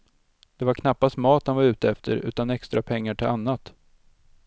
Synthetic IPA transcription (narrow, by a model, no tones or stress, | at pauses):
d̪̥ɛvaɾkʰnapːast̪mɑːt̪̚danvaɾʉ̟ːt̪əɛft̪ʰə̰ɾʉ̟̰ːt̪anɛkst̪ɾapʰɛŋːaʈʰɪlanːat̪